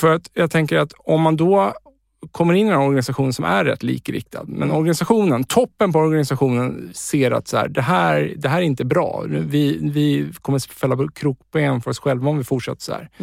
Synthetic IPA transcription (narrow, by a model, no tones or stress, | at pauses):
fœɾat̪jɑːt̪ʰɛŋkəɾat̪ɔmːand̪ɔ | kʰɔmːəɾɪnːɪd̪nɔɾɡanɪsaɧuːnsɔmʔæ̰ːɛ̰t̪ʰːlḭːkəɾɪ̰k̚t̪ʰa̰d̪mɛ̰nɔɾɡanɪsaɧuːnənt̪ʰɔpːənpɔɔɾɡanɪsaɧuːnənseːɾa̰t̪shæ̰ːɖɛɦæːɾd̪ɛɦæːɾɛɾɪnt̪əbɾɑ̰ːvɪvɪkʰɔmːəsfɛlːapɔkʰɾuːkpɔɛnfœɾɔsɧɛlvaɔmvɪfʊʈʂa̰t̪ːə̥ʂɔhæ̰ːɾ